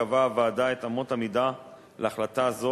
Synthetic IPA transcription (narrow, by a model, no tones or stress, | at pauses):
avavaadaetamo̞thamida | lʔeaχlataːzo